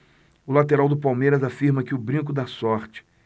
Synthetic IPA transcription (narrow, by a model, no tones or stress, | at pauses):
ʊlat̪eɾawd̪ʊpawmejɾɐzafiɾmɐkɪʊbɾĩk̬ʊd̪asɔɾt͡ʃɪ̥